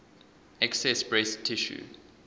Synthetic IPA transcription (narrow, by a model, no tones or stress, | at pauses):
ɛksɛsbɹestʰiʃṵ